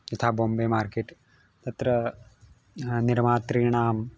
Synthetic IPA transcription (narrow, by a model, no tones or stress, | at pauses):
it̪ʰaːboːmbeːmaːɾkeːʈː | t̪ɐt̪ɾɐ | niɾmaːt̪ɾiːɳaːm